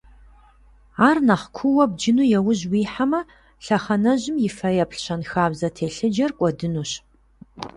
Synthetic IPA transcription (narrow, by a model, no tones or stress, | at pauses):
aːrnɐχkʷʰʊwɐb̚d͡ʒɪnuːjɛwʊʑwiːħamɐ | ɬɐχɐnɐʑɪmjɪfɐjɐpɬɕɐnxaːbzɐtʰeːɬɨd͡ʒɐrkʷʼɔdɨnuɕ